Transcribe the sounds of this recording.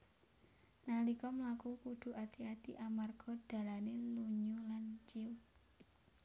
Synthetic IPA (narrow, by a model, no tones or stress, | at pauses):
nalikɔmlakukud̪̥ṳʔat̪iat̪iʔamarɡ̥ɔ̤d̪̥a̤laneluɲulant͡ʃiw